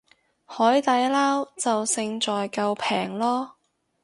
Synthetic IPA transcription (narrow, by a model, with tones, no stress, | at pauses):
hɔː˨˥jt̪ɐ˨˥jlaː˥wt͡sɐ˨wsɪ˧ŋt͡ʃɔː˨jkɐ˧wpʰɛː˨˩ŋlɔː˥